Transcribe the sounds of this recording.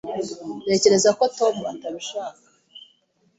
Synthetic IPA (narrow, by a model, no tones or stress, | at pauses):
nde̞ːce̞ɾe̞zako̞to̞muataβiʃaːkḁ